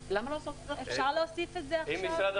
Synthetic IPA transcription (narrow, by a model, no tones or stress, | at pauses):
lamalaːsot̪eaefʃaʁleosifetzeaimːisɾad̪